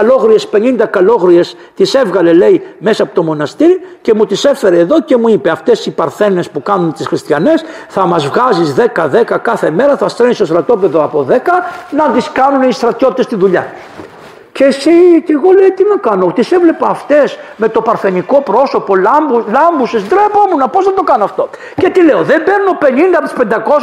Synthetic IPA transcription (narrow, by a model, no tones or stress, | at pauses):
lo̞ɣɾie̞spe̞nind̪ɐkɐlo̞ɣɾie̞s | t̪ise̞vɣɐle̞le̞ime̞sɐpot̪o̞mo̞nɐst̪iɾice̞mut̪ise̞fe̞ɾeːðo̞ce̞muipeɐft̪e̞sipɐɾθe̞ne̞spukɐnunt̪isxɾist̪çɐne̞sθɐmɐzvɣɐzizðekɐðe̞kɐkɐθe̞me̞ɾɐθɐst̪ɾenisost̪ɾɐt̪o̞pe̞ðoɐpo̞ðe̞kɐnɐt̪iskɐnunist̪ɾɐt̪çot̪it̪est̪inðuʎɐ | ce̞ːsice̞ɣo̞lejt̪inɐkɐnot̪isevle̞pɐːft̪e̞sme̞t̪o̞pɐɾθe̞niko̞pɾo̞so̞po̞lɐmblɐmbusesd̪ɾepomunɐposnɐt̪o̞kɐnoɐft̪o̞ | ce̞t̪ile̞oðembe̞ɾnuno̞pe̞nind̪ɐpt̪i̥spend̪ɐko̞s